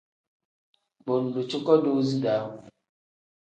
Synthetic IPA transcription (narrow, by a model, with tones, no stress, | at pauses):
bo˨n̩˨du˨t͡ʃo˦kɔ˦do˦zi˦da˨˦˨